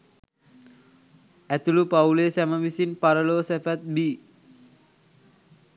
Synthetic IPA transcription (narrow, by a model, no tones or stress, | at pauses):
ɛt̪ulupaulesɛməʋisinpaɾəlosɛfat̪̚bi